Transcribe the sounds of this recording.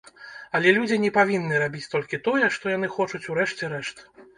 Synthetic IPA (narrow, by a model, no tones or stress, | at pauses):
ɐlʲɛlʲud͡zʲinʲɛpavʲinːɨɾabʲit͡sʲt̪ɔlʲkʲit̪ɔjɛʂt̪ɔjan̪ɨxɔt͡ʂut͡sʲuɾɛʂt͡sʲɛɾɛʂt̪